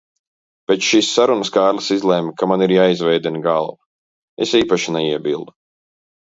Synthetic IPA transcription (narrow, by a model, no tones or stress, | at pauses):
b̥et͡ʃʃiːsːaɾunɐskaːɾlˠɐsizlˠɛːmkamaniɾjaːizvɛjd̪inɡalˠva | esiːpaʃinɛiɛbilˠd̪u